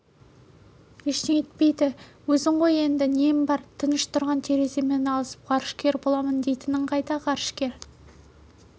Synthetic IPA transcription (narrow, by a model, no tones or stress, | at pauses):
eʃt̪eŋet̪̚pe̞jd̪ɪwɵzɪɴʁoje̞nd̪ɪne̞mbɑɾt̪ʰənɪʃt̪ʰʊɾʁɑnt̪ʰeɾe̞se̞menɑlˠəsə̥p̚qʰɑɾəʃkʲe̞ɾbo̞lˠɑmənd̪e̞jt̪ɪnɪɴqʰɑjt̪ɑqɑɾəʃkʲe̞ɾ